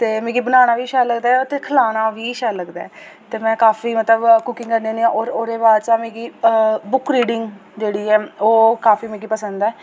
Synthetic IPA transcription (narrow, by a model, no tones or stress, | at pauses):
t̪eːmẽːɡiːbənaːñaːʋiːʃɛːləɡd̪aːɛot̪eːkʰəlaːnaːʋiːʃɛːləɡd̪a̰ːɛt̪eːmɛ̃ːkaːfiːmət̪ləbkʊkɪ̃ŋkəɾnẽːnĩːãːʔoːɾoːɾeːbaːɾt͡ʃaːmẽːɡiːbʊkɾiːɖɪŋɡd͡ʒeːɽiːɛːoːkaːfiːmẽːɡiːpəsənd̪ɛː